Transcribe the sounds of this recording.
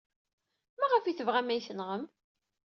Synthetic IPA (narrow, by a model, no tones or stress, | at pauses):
mæʁəfiθəvʁæmæjθənʁəm